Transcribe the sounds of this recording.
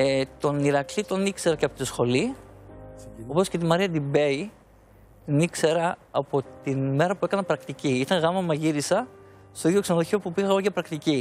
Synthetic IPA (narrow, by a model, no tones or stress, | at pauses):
et̪o̞niɾɐklit̪o̞nikse̞ɾɐceɐpo̞t̪isxo̞li | o̞po̞sce̞t̪̬imɐɾiɐd̪ibe̞i | t̪inikse̞ɾɐɐpo̞t̪inme̞ɾɐpue̞kɐnɐpɾɐkt̪iciit̪ɐŋɣɐmɐmɐʝiɾisɐ | st̪oiðjo̞ksenoðoçopupiɣɐɣoʝɐpɾɐkt̪ici